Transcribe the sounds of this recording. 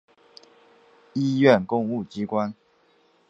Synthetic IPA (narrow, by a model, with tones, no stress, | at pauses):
i˦ɥɛ˥˨nkʊ˥˧ŋu˥˨t͡ɕi˦kwa˦n